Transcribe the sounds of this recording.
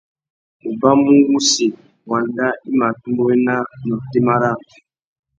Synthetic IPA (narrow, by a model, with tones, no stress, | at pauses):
u˨ba˦mũ˦wu˦si˨ | wa˨nda˦i˦ma˨tu˦mbo˦e˦na˦nɔ˨te˦ma˦ɾa˦˨